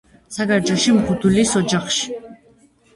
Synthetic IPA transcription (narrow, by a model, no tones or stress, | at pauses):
saɡaɾd͡ʒɔʃimχud̪ulisɔd͡ʒaχʃi̥